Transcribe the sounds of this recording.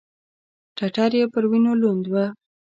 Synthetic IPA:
ʈaʈɑɾjepəɾwinolond̪wa

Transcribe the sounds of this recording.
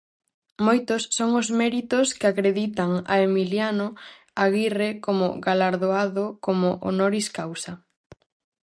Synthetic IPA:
mojt̪ʊsːoŋʊzmɛɾit̪ʊskɪakɾeðit̪aŋa̰emiljano | aɣirekomʊ̰ɣalaɾðoaðokomʊʔo̰noɾiskawsɐ

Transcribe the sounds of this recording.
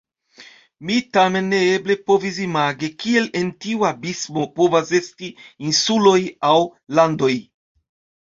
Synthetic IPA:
mitame̞nːeeble̞povisimaɡekielentiuabismopovasestiinsulojawlando̞j

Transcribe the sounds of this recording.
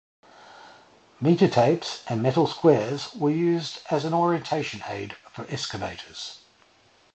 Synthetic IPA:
miˑtətʰeɪpsʔə̃nmɛtəl̩ˠskwɛːəzwəjʉːzdəzə̃nɔːɹiə̃ntʰeɪʃə̃nḛɪd̥fəɹʔɛskəbḛɪtʰəz̥

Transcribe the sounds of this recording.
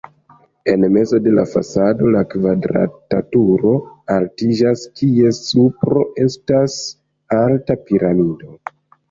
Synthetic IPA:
e̞nme̞zo̞de̞la̰fa̰sado̞lakvadɾa̰tatuɾo̞altid͡ʒaskie̞supɾo̞ʔe̞stas | altapiɾamido̞

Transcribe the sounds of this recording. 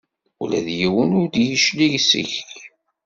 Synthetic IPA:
ulæðjiwənʊɾd̪jiʃliʝsḭçi

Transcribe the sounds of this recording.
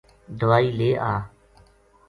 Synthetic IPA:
d̪ʱəʋaːiːleːʔaː

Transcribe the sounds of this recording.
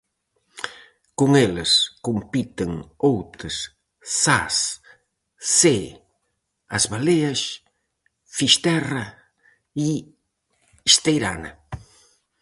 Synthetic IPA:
koŋelɪskompit̪eŋowt̪ɪs | sas | se | ɐ̰zβaleɐs | fiʃt̪ɛrɐ | i | iʃt̪ejɾa̰nɐ̰

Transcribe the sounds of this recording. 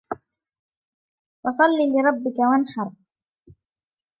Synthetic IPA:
wɑsˤɑlːiːlɪɾˤɑbːɪkawanħɑɾˤ

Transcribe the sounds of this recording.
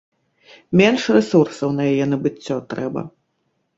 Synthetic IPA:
mʲɛnʂrɛsursɐwnɐjajɛnɐbɨt͡sʲːɔt̪ɾɛbɐ̰

